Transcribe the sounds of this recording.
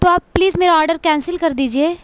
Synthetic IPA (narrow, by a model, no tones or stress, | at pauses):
t̪oaːpːliːzmeːɾaɔːɾɖəɾkɛ̃ːnsɪlkɐɾd̪iːd͡ʒieː